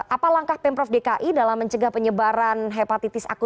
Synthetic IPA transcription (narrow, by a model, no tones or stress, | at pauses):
ʔapalaŋkahpɛmpɾɔfdekaʔidalamːəɲt͡ʃəɡahpəɲəbaɾanɦepat̪it̪ɪsa̰ku